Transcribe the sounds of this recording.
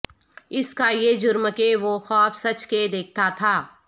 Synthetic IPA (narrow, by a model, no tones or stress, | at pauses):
ɪskajeːd͡ʒʊɾməkeʋoxɔːpʰsɐt͡ʃked̪eːk̚ʰt̪at̪ʰaː